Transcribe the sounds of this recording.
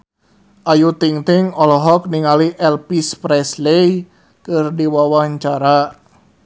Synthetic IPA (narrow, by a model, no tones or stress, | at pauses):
ʔajut̪iŋt̪ɪŋɔlɔɦɔk̚niŋaliʔɛlpispɾɛslej | kɨrdiwawaɲt͡ʃaɾa